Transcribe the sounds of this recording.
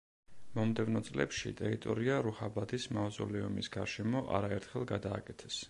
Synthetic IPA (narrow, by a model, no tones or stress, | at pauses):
mɔmd̪ɛvnɔt̪sʼlɛ̰pʃḭt̪ʼɛɾit̪ʼɔɾiaɾuχabad̪ʰismawzɔ̰lɛɔmisɡaɾʃɛmɔʔa̰ɾaɛɾt̪ʰχɛlˠɡad̪aːkʼɛt̪ʰɛ̥s